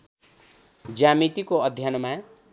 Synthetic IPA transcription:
d͡ʒamit̪ikoʌd̪ʱjanɔma

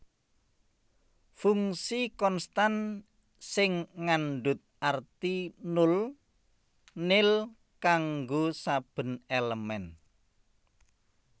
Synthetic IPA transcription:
fuŋsikɔnst̪an | sɪŋːanɖʊt̪̚art̪inʊl | nɪl | kaŋɡosab̥ə̤neləmɛn

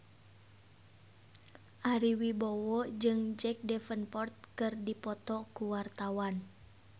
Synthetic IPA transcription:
ʔaɾiwibɔwɔd͡ʒɨŋd͡ʒɛk̚dɛfənpɔrt̪̚kɨrdipɔt̪ɔkuwart̪awan

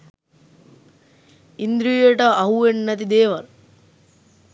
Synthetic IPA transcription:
ind̪ɾijəʈəɐɦuʋenːɐt̪̬id̪eːʋɐl

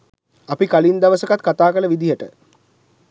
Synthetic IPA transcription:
apikalind̪aʋəsəkat̪kat̪aːkələʋid̪ijəʈə̰

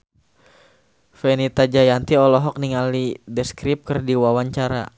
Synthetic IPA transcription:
fɛnit̪ad͡ʒajant̪iɔlɔɦɔk̚niŋalidɛskɾip̚kərdiwawaɲt͡ʃaɾa̰

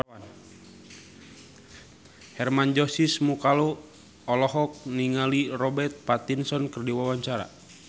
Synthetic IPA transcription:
an | hɛrmand͡ʒɔsismukalo | ɔlɔɦɔk̚niŋalirɔbɛrt̪̚pat̪insɔnkərdiwawaɲt͡ʃaɾa̰

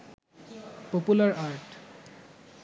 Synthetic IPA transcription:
populaɹaɹʈ

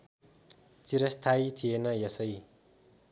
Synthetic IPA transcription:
t͡siɾʌst̪ʰajt̪ʰienʌjʌsʌj

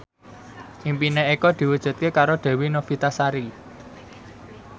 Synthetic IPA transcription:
ʔimpineekɔd̪̥i̤wud̥ʒ̥ṳt̪̚kekaɾod̪̥e̤winofit̪asaɾi

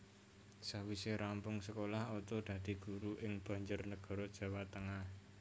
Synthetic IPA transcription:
sawiseɾampʊŋsəkolahot̪ɔd̪̥ä̤d̪̥i̤ɡ̥uɾuʔɪŋb̥ä̤ɲd͡ʒʊrnəɡ̥ɔ̤ɾɔd̥ʒ̥a̤wat̪əŋah

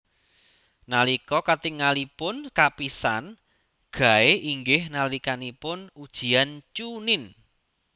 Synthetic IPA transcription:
nalikɔkat̪iŋalipʊnkapisan | ɡ̥a̤eʔiŋɡɪhnalikanipʊnud̥ʒ̥i̤ant͡ʃunɪn

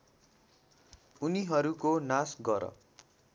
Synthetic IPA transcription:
uniɦʌɾukonasɡʌɾʌ̰

